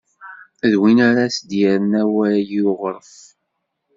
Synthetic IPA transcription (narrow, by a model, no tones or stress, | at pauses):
ðwinaɾasd̪jæɾənæwæjiʊʁəɾˤəf